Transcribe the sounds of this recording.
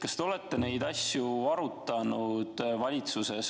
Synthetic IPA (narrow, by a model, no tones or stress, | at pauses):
kɑst̪eo̞le̞t̪ːe̞ne̞jd̪ɑsjuɑɾut̪ːˑɑnud̪̥vɑlʲit̪suse̞s